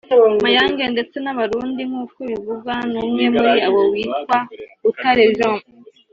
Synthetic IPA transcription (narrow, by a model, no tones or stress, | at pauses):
majaːŋɡe̞nde̞t͡se̞naβaɾuːndiŋ̥hukuβiβuɡanumŋe̞muɾiawowiːtwautaɾejom